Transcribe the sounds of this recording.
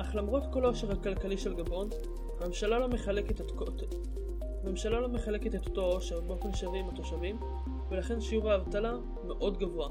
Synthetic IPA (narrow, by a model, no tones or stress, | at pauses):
ʔaχlamʁo̞tko̞lo̞ʃeʁhakalkaliʃelɡabo̞n | hamemʃalalo̞meχaleket | o | me̞mʃalalo̞me̞χale̞ket̪et̪ot̪o̞o̞ʃeʁbeo̞fe̞nʃavimat̪o̞ʃavim | velaχe̞nʃiuvaːvtala | meʔo̞dɡavua